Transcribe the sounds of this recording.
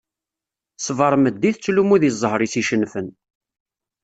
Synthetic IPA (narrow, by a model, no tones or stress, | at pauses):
svɑɾˤməd̪ːiθt͡sːlumuðizˤːəhɾisiʃənːfən